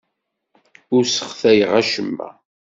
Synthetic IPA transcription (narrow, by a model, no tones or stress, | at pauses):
ʊɾsə̥χθæjəʁæʃəmːæ̰